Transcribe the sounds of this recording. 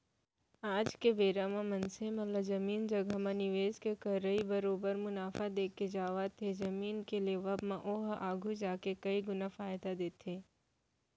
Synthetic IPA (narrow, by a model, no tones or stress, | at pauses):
aːd͡ʒkeʋeːɾamãmɐ̃nsemɐ̃lɐzɐmiːnd͡ʒɐɡʱamãnɪʋeːzkekɐɾəibɐɾoːbəɾmʊnaːfad̪eːkːed͡ʒaːʋat̪ʰːezɐmiːnkeleːʋəbmãʔoːɦaːɡʱud͡ʒaːkekɐiɡʊnafaːjd̪ad̪eːt̪ʰeː